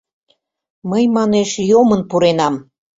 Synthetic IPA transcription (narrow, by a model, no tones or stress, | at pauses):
məjmɑneʃjomənpuɾenɑm